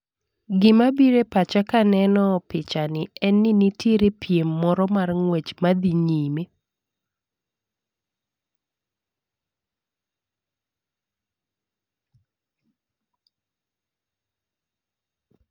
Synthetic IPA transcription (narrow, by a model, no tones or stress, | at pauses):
ɡɪmabiɾepat͡ʃakanɛnɔpɪt͡ʃanɪɛnːinitjeɾepjemːɔɾɔmarŋwɛt͡ʃmad̪iɲime